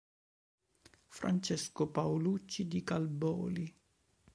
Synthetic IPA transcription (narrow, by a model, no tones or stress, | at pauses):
fɾa̰nt͡ʃɛskopawlut͡ʃːid̪ikalbɔ̰ːli